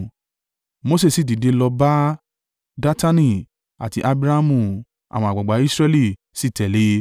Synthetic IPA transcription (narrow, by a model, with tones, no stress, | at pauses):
mo˦s̬e˦˨si˦˨di˨de˨˧lɔ˧ba˦ | da˦ta˦nĩ˦˧ | a̰˨ti˧ʔa˧bɾa˦a˧mũ˧˨ | a̰˨wɔ̃˧a˨ɡ͡ba˨ɡ͡ba˨˦i˦sɾɛ˦li˦˧˨ | si˦˨tɛ˨le˨˦